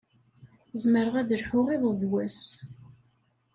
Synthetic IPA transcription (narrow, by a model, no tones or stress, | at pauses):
zməɾəʁæðəlħʊʁiðˤəvwæs